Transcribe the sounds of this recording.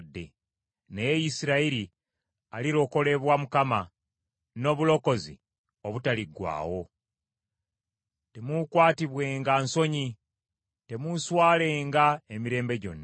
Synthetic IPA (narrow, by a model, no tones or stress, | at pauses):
dːe̞̰ | nejejisiɾaiɾi | aliɾo̞ko̞le̞βwamukama | no̞ːβulo̞ko̞zḭ | oβutaliɡwa̰ːwo̞ | te̞mukwaːtiβwe̞ːŋɡanso̞ɲi | te̞muswaːle̞ːŋɡaemiɾe̞ːmbe̞ɟo̞̰nːa